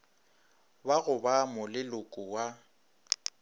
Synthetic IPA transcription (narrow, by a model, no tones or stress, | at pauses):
baɣʊbamʊlɪlʊkʼʊwa